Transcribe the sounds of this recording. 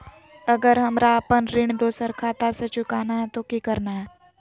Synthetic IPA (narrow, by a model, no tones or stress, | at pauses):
ɐɡəɾɦɐmɾaəpənɾɪɳ̃d̪oːsəɾkʰaːt̪aset͡ʃʊkaːnaɦɛt̪okikɐɾnaɦɛː